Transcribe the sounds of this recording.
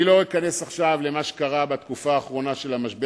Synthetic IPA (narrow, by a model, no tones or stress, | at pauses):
lo̞ikane̞saχʃavle̞maʃe̥kaʁabat̪kufaːχʁo̞naʃe̞lamaʃbe